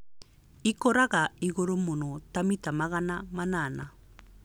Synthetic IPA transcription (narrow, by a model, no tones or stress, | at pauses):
ikɔɾaɣaiɣoɾomonɔtamitamaɣanamanana